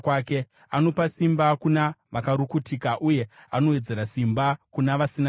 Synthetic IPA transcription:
kwaːke̞ | ano̞pasimbakunaʋakaɾukutikaʔuje̞ano̞we̞d͡ze̞ɾasimbakunaʋasina

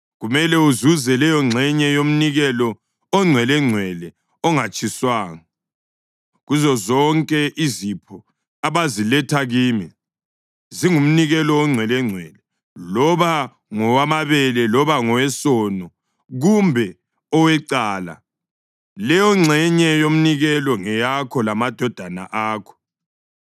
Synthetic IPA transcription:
ɣumɛlɛuzuzɛlɛjɔŋ͡ǀʱɛɲɛjom̩niɣɛlɔ | ɔŋ͡ǀʱwɛlɛŋ͡ǀʱwɛlɛ | ɔŋat͡ʃʼʰiswaːŋa | ɣuzɔzɔŋkʼɛʔizipʰɔ | aβazilɛtʰaɣiːmi | ziŋum̩niɣɛlɔwɔŋ͡ǀʱwɛlɛŋ͡ǀʱwɛlɛ | lɔβa | ŋɔwamaβɛlɛlɔβaŋɔwɛsɔnɔ | ɣumbʱɛ | ɔwɛǀaːla̰ | lɛjɔŋ͡ǀʱɛɲɛjom̩niɣɛlɔŋɛjakʰɔlamad̥ʱɔd̥ʱana̰ʔaːkʰɔ̥

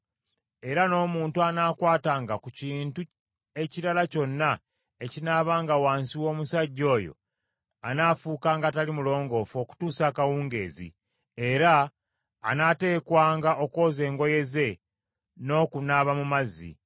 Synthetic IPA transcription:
e̞ɾano̞ːmuːntuanaːkwaːtaːŋɡakuciːntu | e̞ciɾalaco̞nːa | e̞cinaːβaːŋɡawaːnsiwo̞ːmusaɟːo̞ːjo̞̰ | a̰naːfuːkaːŋɡaːtalimulo̞ːŋɡo̞fo̞ːku̥tuːsakawuːŋɡe̞̰ːzḭ | e̞ɾa̰ː | nate̞ːkwaːŋɡaʔo̞ko̞ːze̞ːŋɡo̞je̞ze̞ | no̞ːkunaβamumazḭ

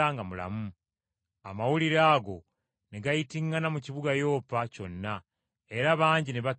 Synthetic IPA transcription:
aŋɡamula̰mu | amawuliɾaːɡo̞ | neɡajitiŋɡanamuciβuɡajo̞ːpaco̞nːa | e̞ɾaβaːɲɟineβa

